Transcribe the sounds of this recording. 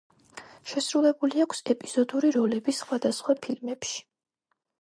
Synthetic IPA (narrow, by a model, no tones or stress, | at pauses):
ʃɛsɾulɛbuliakʰsɛpʼiz̥ɔd̪uɾiɾɔlɛbisχwad̪asχwapʰilmɛpʃi̥